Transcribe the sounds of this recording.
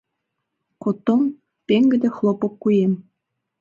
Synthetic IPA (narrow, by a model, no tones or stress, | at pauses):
kot̪om | peŋɡɘ̆d̪ĕxlˠopok̚kujem